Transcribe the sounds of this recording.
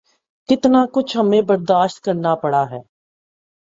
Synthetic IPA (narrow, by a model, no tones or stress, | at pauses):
kɪt̪naːkʊt͡ʃʰɦəmẽːbəɾd̪aːʃt̪̚kəɾnaːpəɽaːɦɛː